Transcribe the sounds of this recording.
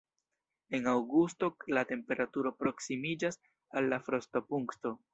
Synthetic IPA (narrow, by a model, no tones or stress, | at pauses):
e̞nawɡusto̞late̞mpe̞ɾatuɾo̞pɾo̞ksimid͡ʒas | alːafɾo̞stopuŋkto̞